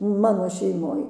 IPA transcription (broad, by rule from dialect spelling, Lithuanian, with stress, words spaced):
ˈmɑːnoː ʃʲɛɪˈmoːj